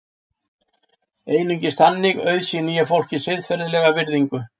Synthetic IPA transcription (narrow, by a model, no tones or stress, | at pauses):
eːjnʏɲcɪst̪anːɪɣœːɥðsiniːjafowl̥cɪsɪðfɛɾðlɛːɣavɪɾðiŋkʏ